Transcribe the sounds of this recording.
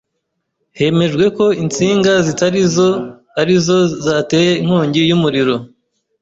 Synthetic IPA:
he̞me̞ʒɡwe̞ko̞int͡siːŋɡazitaɾizo | aɾizo̞zatejeiŋ̥huːɲɟijumuɾiɾo̞

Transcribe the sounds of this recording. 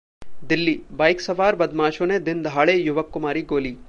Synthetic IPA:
d̪ɪlːiːbɐːjksɐʋaːɾbɐd̪maːʃoːned̪ɪnd̪ʱaːɭeːjʊʋɐkːʊmaːɾiɡoːliː

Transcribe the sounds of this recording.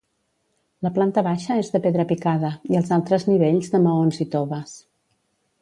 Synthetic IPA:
ləplant̪əβaʃəezðəpeðɾəpikaðəiəlˠzalˠt̪ɾəzniβ̞eʎzðəməonzit̪oβəs

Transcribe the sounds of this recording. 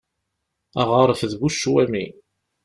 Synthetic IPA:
æʁəɾˤfðβuʃːwæmḭ

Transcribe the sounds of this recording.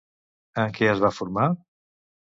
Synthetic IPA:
əŋkɛəzβafuɾma

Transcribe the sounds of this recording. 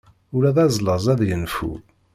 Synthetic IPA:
ʊɾæðæzˤləzˤæðjənfṵ

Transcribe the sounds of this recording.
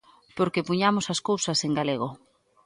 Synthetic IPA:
poɾkepuɲamʊsɐskowsɐseŋɡaleɣ̞o

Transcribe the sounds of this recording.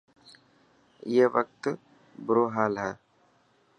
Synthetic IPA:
jeːʋək̚t̪ | bʊɾoːɦaːlɦɛː

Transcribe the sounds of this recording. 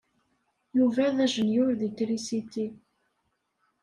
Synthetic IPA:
juvæðæʒənjʊɾðikɾisit̪i

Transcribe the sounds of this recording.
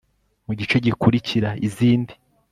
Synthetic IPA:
muɟit͡ʃe̞ɟikuɾiciɾaiziːndi

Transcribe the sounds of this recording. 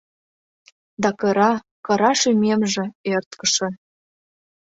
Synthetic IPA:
d̪ɑkɤ̆ɾɑ | kɤ̆ɾɑʃymemʒĕert̪kə̆ʃĕ

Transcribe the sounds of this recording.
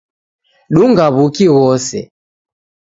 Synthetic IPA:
ɗuŋɡaβukiɣɔsɛ̰

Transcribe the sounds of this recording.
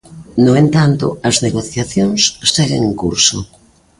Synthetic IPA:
noent̪ant̪ʊ̰ɐzneɣoθjaθjoŋsst͡ʃɛɣeŋeŋkuɾso̰

